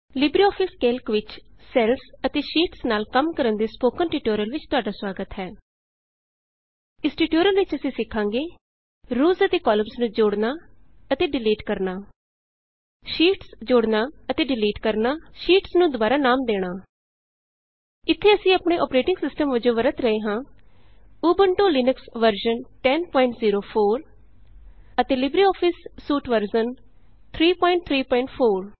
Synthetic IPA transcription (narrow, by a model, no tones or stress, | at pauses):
lɪbɾiːɔːpʰɪskeːlkʋɪt͡ʃsɛːlsət̪eːʃiːʈsnaːlkəmkəɾənd̪eːspoːkənʈiːʈoːɾəlʋɪt͡ʃt̪ʊaːɖaːswaːɡət̪ɦɛː | ɪsʈiːʈoːɾəlʋɪt͡ʃəsĩːsɪkʰːãːŋɡeː | ɾuːzət̪eːkɔːləmsnũːd͡ʒoːɽnaː | ət̪eːɖɪliːʈkəɾnaː | ʃiːʈsd͡ʒoːɽnaːət̪eːɖɪliːʈkəɾnaːʃiːʈsnũːd̪oʊbaːɾaːnaːmd̪eːɽ̃aː | ɪt̪ʰːeːəsĩːəːpɳeːʔɔ̰ːpɾeːʈɪŋɡsɪsʈəmʋəd͡ʒõːʋəɾət̪ɾəɦeːɦãː | uːbəɳʈoːlɪːnəksʋəɾʃənʈɛːnpɔːɪɳʈziːɾoːpʰoːɾ | ət̪eːlɪbɾiːɔːpʰɪsːuːʈʋəɾd͡ʒən | t̪ʰɾiːpɔːɪ̃ɳʈ̚t̪ʰɾiːpɔːɪɳʈpʰoːɾ